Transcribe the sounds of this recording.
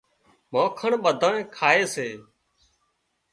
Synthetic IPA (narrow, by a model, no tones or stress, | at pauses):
mõːkʰəɳɓəd̪ʱãːẽːkʰaːeːseː